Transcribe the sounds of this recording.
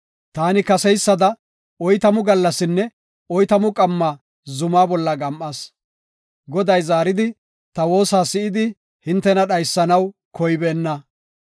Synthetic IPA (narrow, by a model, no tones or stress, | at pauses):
t̪aːnɪkɐsɛjsːɐd̪ɐ | ɔjt̪ɐmʊɡɐlːɐsɪnːɛ | ɔjt̪ɐmʊkʼɐmːaː | zʊmaːbɔlːɐɡɐmʔɐs | ɡɔd̪ɐjzaːɾɪd̪ɪ | t̪ɐwo̞ːsaːsɪɪd̪ɪ | hɪnt̪ːɛnɐɗɐjsːɐnɐwkʰɔjbeːnːɐ